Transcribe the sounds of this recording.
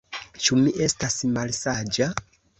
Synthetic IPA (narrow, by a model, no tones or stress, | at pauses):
t͡ʃumiʔe̞stasmalsad͡ʒa